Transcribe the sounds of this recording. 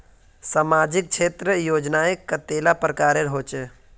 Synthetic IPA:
saːmaːd͡ʒɪk̚t͡ʃʰeːt̪ɾəjoːd͡ʒnaːəkːat̪eːlapɾəkaːɾeɾɦoːt͡ʃe

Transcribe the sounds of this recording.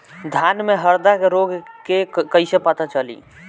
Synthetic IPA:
d̪ʱjanmeɦəɾd̪akeɾoɡkekəisepət̪at͡ʃəlḭ

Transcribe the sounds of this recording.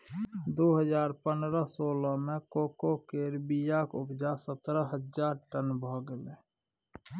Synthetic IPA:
d̪oːɦəd͡ʒaːɾpənd̪ɾəsoːləmẽkoːkokeɾbijakʊbd͡ʒasət̪ɾəɦəd͡ʒd͡ʒaːɾʈənbʱɔɡəle

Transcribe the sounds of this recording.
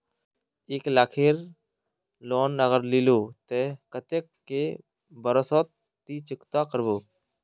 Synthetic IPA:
eːklaːkʰeːɾ | lɔːnːəɣəɾliloːt̪ekət̪ekːe | bəɾəsɔːt̪ː | iːt͡ʃɪkt̪akəɾboː

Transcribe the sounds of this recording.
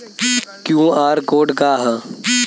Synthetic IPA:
kjũːaːɾkoːɖkaːɦ

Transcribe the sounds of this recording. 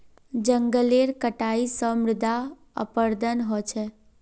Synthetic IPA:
d͡ʒəŋɡəleɾkəʈaisəmɾɪd̪ʱa | ə̰pəɾd̪ʱənɦot͡ʃʰe

